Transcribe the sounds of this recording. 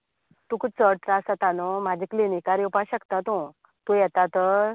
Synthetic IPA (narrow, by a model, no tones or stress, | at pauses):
t̪ũkut͡səʈ̚ʈɾasat̪anɔm̤ad͡ʑʱiklinikaɾjupaɕəkt̪at̪õ | t̪ũjɛt̪at̪ə